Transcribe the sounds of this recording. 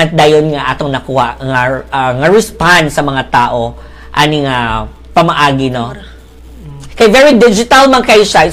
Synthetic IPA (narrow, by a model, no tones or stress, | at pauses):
ɐt̪̚d̪aːjonŋaʔaːt̪oŋnɐkuːhaʔŋaŋɐɹɛspand̪sɐmɐŋat̪aːʔo | ʔanɪŋa | pɐmɐʔaːɡɪno | kɐjvɛɹid̪ɪd͡ʒɪt̪ɐlmɐŋkɐjʃa